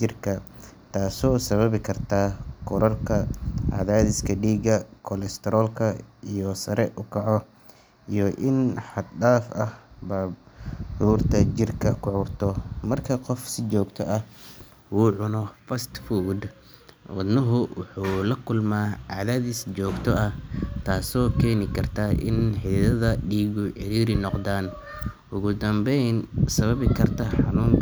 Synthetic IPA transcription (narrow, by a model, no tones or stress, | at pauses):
ɪrkʰɐt̪ʰaːsɔːsɐβɐβɪkʰɐrt̪ʰaːkʰɔɾɐrkʰɐʕa̰ðaːðɪskʰɐɖiːɡɐkʰɔlɛst̪ʰɛɾɔːlkʰɐijɔsɐɾɛʔʊkʰɑʕɔ | ijɔʔɪnħɑd̪ɖaːfɐhba | uːrt̪ʰɐt͡ʃɪrkʰɐkʰʊʕʊːrt̪ʰɔmɐrkʰɐqɔfsɪt͡ʃɔːɡt̪ʰɔʔɐh | wuːʕʊnɔfɐst̪fuːd̪ | wɐd̪nɐɦʊwʊħuːlɐkʰʊlmaːʕaːðaːðɪst͡ʃɔːɡt̪ʰɔɐht̪ʰaːsɔːkʰɛːnɪkʰɐrt̪ʰaːʔɪ̰nħɪðɐðɐɖiːɣʊʕɛɾiːɾɪnɔqd̪aːn | ʔʊɣʊd̪ɐmbɛjnsɐβɐβɪkʰɐrt̪ʰɐħɑnuːŋ